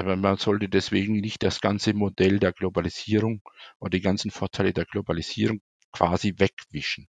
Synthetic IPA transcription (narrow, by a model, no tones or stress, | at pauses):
ʔʔaːbɐmanz̥ɔltədɛsv̥eːɡŋ̩nɪçt̚d̥asɡ̥ant͡səmodɛldeːɐɡlobaliz̥iːʁʊŋʔoːdɐdiːɡant͡sn̩foːɐtʰaɪlədeːɐɡlobaliz̥iːʁʊŋ | kʰv̥aːzivɛkv̥ɪʃn̩